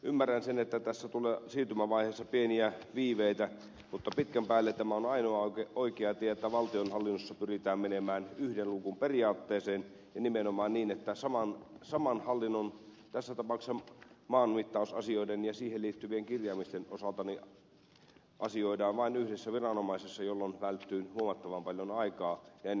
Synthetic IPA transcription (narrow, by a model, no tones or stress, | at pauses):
ymːærːænsenet̪ːæt̪æsːæt̪uleːsiːrt̪ymæʋɑiheːsːɑpieniæʋiːʋeit̪æ | mut̪ːɑpit̪kæmpæːlːet̪t̪ːæmæonɑinoɑeoikeɑt̪iæet̪ːæʋɑlt̪ionhɑlːinːosːɑpyrit̪æːmmenemæːnyhdenlukumperiɑːt̪ːeːseːn | jɑnimenomɑːnniːnet̪ːæsɑmɑnsɑmɑnhɑlːinːon | t̪æsːæt̪ɑpɑˑuksɑmɑːnmit̪ːɑˑusɑ̰sioidenjɑsiːheliːt̪ːyʋieŋkirjɑːmist̪enosɑlt̪ɑni | ʔɑsioidɑːnʋɑinyhdesːæʋirɑnomɑisesːɑjolːonʋælt̪ːyːnhuomɑt̪ːɑʋɑmpɑljonɑikɑːjɑenː